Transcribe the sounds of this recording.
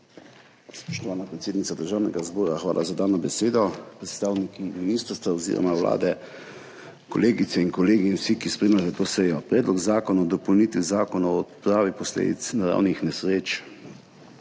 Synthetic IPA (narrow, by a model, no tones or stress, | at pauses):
spɔʃt̪ɔʋaːnapɾɛt̪seːd̪nit̪sad̪əɾʒaːwnɛ̰ɡazbɔːɾaxʋa̰ːlʔa̰zad̪aːnɔbɛseːd̪ɔpɾɛt̪st̪aːwnikiminiːst̪əɾst̪ʋaɔzḭːɾɔ̰mawla̰ːd̪ɛ | kɔ̰leːɡit̪sɛiŋkɔleːɡinwsikispɾɛimat̪ɛt̪oːsɛjɔpɾɛːd̪lɔɡzaːkɔnaɔd̪ɔpɔwnit̪ʋizaːkɔnaɔt̪pɾaːʋipɔslḛːd̪ḭt̪snaɾa̰wnixnɛsɾeːt͡ʃ